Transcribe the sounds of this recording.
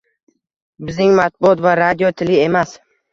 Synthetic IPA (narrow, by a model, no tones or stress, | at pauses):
bɪznɪŋmat̪̚bʊɒt̪vaɾad̪ijot̪ʰɪlɪe̞mas